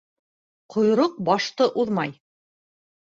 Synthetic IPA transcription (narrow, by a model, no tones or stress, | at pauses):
qʰŏjɾoq̚bɑʃt̪ɤʔuðmɑj